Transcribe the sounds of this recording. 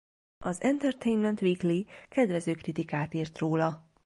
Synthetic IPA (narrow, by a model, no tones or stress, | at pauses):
ʔɒzɛnt̪ɛrt̪ejnmɛnt̪ʋiːklikɛd̪ʋɛzøːkrit̪ikaːt̪iːrt̪roːlɒ